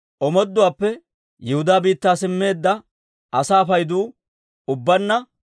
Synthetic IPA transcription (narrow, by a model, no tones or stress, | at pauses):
ʔɔmɔd̪ːʊwaːpːɛ | jɛhʊd̪aːbiːt̪ːaːsɪmːe̞ːd̪ːɐ | ɐsaːfɐjd̪uː | ʊbːɐnːɐ